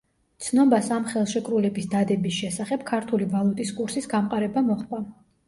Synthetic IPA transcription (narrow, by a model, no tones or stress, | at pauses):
t̪sʰnɔbasamχɛlˠʃɛkʼɾulɛbisd̪ad̪ɛbisʃɛsaχɛb̥̚kʰaɾt̪ʰulivalˠut̪ʼiskʼuɾsisɡamqʼaɾɛbamɔχpʼa